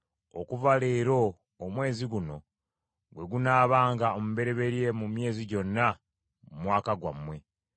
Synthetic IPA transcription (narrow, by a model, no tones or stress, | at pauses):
o̰kuvale̞ːɾo̞ː | mwe̞ːziɡuno̞ | ɡwe̞ɡunaːβaːŋɡaomuβe̞ɾe̞βe̞ɾje̞mumje̞ːziɟo̞nːa | mumwaːkaɡwa̰mːwe̞